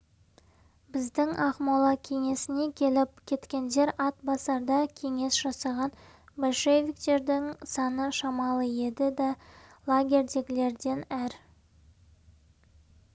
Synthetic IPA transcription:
bɪzd̪ɪŋʔɑqmɑlˠɑkʲʰe̞ŋe̞sɪne̞kʲʰe̞lɪp̚kʲʰe̞t̪kʲe̞nd̪e̞ɾɑt̪bɑsɑɾd̪ɑkʲʰe̞ŋe̞sʒ̥ɑsɑʁɑn | bo̞lʃevʲikt̪e̞ɾd̪ɪŋsɑnəʃɑmɑlˠəje̞d̪ɪd̪ɑlˠaɡʲe̞ɾd̪e̞ɡʲɪle̞ɾd̪e̞næɾ

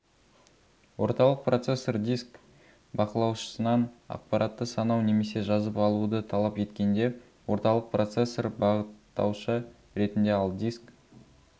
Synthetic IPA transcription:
wo̞ɾt̪ɑlˠəq̚pro̞t̪se̞sːord̪isk | bɑqəlˠɑwʃə̥sənɑnɑ̰q̚pɑɾʔɑt̪ːəsɑnɑwne̞me̞se̞ʒɑzəpɑlˠud̪ət̪ʰɑlˠɑpe̞t̪kʲe̞nd̪e̞ | wo̞ɾt̪ɑlˠəq̚pro̞t̪se̞sːorbɑʁət̪ːɑ̰wʃə | ɾe̞t̪ɪnd̪e̞ɑlˠd̪isk

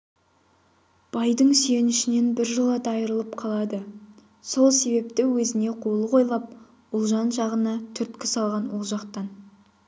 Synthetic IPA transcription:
b̥ɑjd̪əɴsjenɪʃɪne̞nbɪɾʒəlˠɑd̪ɑjəɾəlˠəp̚qʰɑlˠɑd̪ə | so̞lˠse̞be̞p̚t̪ɪwɵzɪne̞qʰo̞lˠəqʰo̞jlˠɑp̚ | ʊlˠʒɑnʒɑʁənɑt̪ʰʏɾt̪kʲɪsɑlˠʁɑnwo̞lˠʒɑqt̪ɑn

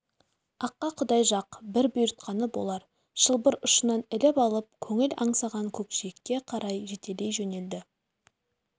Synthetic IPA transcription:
ɑqːɑqʰʊd̪ɑjʒɑqbɪɾbʊjɾət̪̚qʰɑnəbo̞lˠɑɾ | ʒ̥əlˠbəɾʊʃənɑnɪlɪpɑlˠəp̚kʲʰɵŋɪlɑɴsɑʁɑŋkʲʰɵkʃijɪkʲːe̞qʰɑɾɑjʒe̞t̪ele̞jʒɵne̞ld̪ɪ

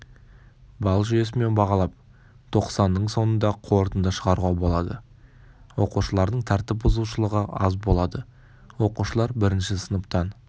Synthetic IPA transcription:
bɑlˠʒʏje̞s̬ɪme̞nbɑʁɑlˠɑp̚ | t̪ʰo̞qsɑnːəɴso̞nənd̪ɑqʰo̞ɾt̪ənd̪əʃəʁɑɾʁɑbo̞lˠɑd̪ə | wo̞quʃəlˠɑɾd̪əɴt̪ʰæɾt̪ɪp̚bʊzuʃəlˠəʁəɑzbo̞lˠɑd̪ə | wo̞quʃəlˠɑɾbɪɾɪnʃɪsənəp̚t̪ɑn

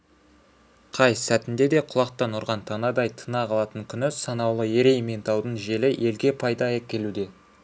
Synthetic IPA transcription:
qʰɑjsæt̪ɪnd̪e̞d̪e̞qʰʊlˠɑqt̪ɑnʊɾʁɑnt̪ʰɑnɑd̪ɑjt̪ʰənɑqʰɑlˠɑt̪əŋkʲʰʏnɪsɑnɑwlˠəeɾejment̪ʰɑwd̪əɴʒe̞lɪʔe̞lɡʲe̞pʰɑjd̪ɑækʲe̞lud̪e̞

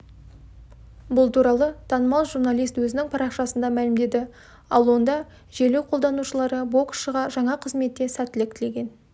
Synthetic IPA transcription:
bʊlˠt̪ʰuɾɑlˠət̪ʰɑnəmɑlˠʒurnɑlˠijst̪wɵzɪnɪŋpʰɑɾɑqʃɑsənd̪ɑmælɪmd̪e̞d̪ɪ | ɑlˠwo̞nd̪ɑ | ʒelewqʰo̞lˠd̪ɑnuʃəlˠɑɾəbo̞ksʃəʁɑʒɑɴɑqʰəzme̞t̪ːe̞sæt̪ːɪlɪkt̪ɪle̞ɡʲe̞n

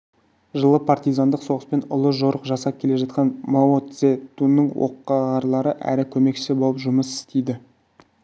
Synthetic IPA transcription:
ʒəlˠəpʰart̪ijzand̪əqso̞ʁəspe̞nʊlˠəʒo̞ɾəqʒɑsɑp̚kʲʰe̞le̞ʒɑt̪̚qɑnmoot̪set̪unːəɴwo̰qːɑʁɑɾlˠɑɾəʔæ̰ɾɪkʲʰɵme̞kʃɪ̥sɪbolˠəpʒʊməsɪ̥st̪ejd̪ɪ

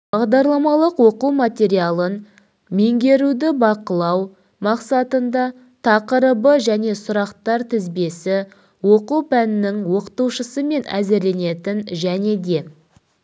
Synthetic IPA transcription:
bɑʁd̪ɑɾlˠɑmɑlˠəqwo̞quwmat̪ʲe̞ɾijalˠən | me̞ŋɡʲe̞ɾud̪ɪbɑqəlˠɑw | mɑqsɑt̪ənd̪ɑ | t̪ʰɑqəɾəbəʒæne̞sʊɾɑqt̪ɑɾt̪ʰɪzbe̞sɪ | wo̞quwpænɪnɪŋwo̞qə̥t̪uwʃəsəme̞næ̰zɪɾle̞ne̞t̪ɪnʒæne̞d̪e̞

